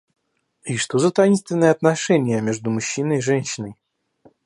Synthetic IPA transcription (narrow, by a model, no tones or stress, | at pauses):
iʂt̪ozət̪ɐinst̪vʲɪnːəjəɐt̪nɐʂɛnʲɪjəmʲeʐd̪ʊmʊɕːinəjiʐɛnʲɕɪnəj